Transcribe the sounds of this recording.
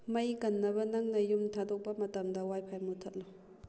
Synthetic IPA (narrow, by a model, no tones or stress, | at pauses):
mɐjkɐnːɐbɐnɐŋnɐjumtʰadok̚pɐmɐtɐmdɐwajpʰajmutʰɐt̚lo